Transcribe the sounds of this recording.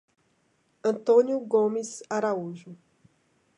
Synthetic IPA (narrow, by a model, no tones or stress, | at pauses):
ɐ̃t̪õnjuɡõmizaɾauʒʊ